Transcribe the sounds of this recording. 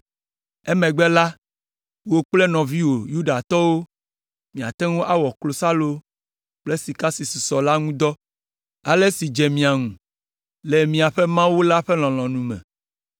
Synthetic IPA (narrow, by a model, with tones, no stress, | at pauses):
ɛ˦mɛ̃˨ɡ͡bɛ˦la˦ | wo˦k͡plɛ˦nɔ̃˨vi˦wo˨ju˦ɖa˨t̪ɔ˦wo˦ | mĩ˨a˨t̪ɛ˦ŋo˦ʔa˦wɔ˨klo˨sa˦lo˦ | k͡plɛ˦si˨ka˦si˨su˨sɔ˨la˦ŋũ˦d̪ɔ˦ | a˨le˦si˨d͡ʒɛ˨mĩ˨a˨ŋũ˨ | lɛ˨mĩ˨a˨ɸɛ˦mã˦wu˦la˦ɸɛ˦l̃ɔ̃˨l̃ɔ̃˨nũ˨mɛ̰̃˨